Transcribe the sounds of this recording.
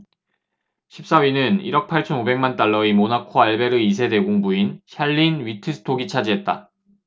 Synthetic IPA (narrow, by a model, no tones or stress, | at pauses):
ɕʰip̚s͈aɥinɯnḭɾʌk̚pʰaɭt͡ɕʰʌnobe̞ŋmant͈aɭːʌimonakʰoaɭbe̞ɾɯis̬ʰe̞de̞ɡoŋbuinɕʰaɭːinɥitʰɯsʰɯ̥tʰoɡit͡ɕʰad͡ʑiɦe̞t̚t͈a̰